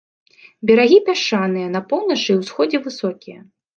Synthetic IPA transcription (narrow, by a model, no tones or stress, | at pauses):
bʲɐɾaɣʲipʲaʂanɨjɐnɐpɔwnɐt͡ʂɨwsxɔd͡zʲɛvɨsɔkʲijɐ